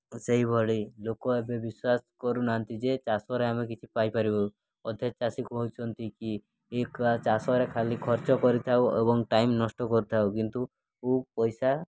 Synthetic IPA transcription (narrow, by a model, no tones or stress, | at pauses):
seɦibʱɔɭilokɔebebiswaskɔɾunaɦɔnt̪id͡ʒet͡ʃasɔɾeamekit͡ʃʰipajpaɾibɔ | ɔd̪ʱet͡ʃasikbʱɔut͡ʃʰɔnt̪iki | ekat͡ʃasɔɾekʰalikʰɔɾt͡ʃɔkɔɾit̪ʰawebɔŋʈaimnɔsʈɔkɔɾut̪ʰawkint̪u | upɔjsa